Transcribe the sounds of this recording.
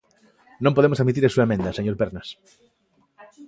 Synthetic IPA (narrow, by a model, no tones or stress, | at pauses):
nõmpoðemosaðmit̪̬iɾɐsuɐemẽnd̪ɐseɲoɾpeɾnɐs